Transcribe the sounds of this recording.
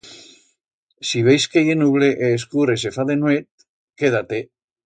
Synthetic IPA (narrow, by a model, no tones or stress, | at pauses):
siβejskejenuβleʔeːskuɾes̬efaðenwet̪̚ | keð̞at̪e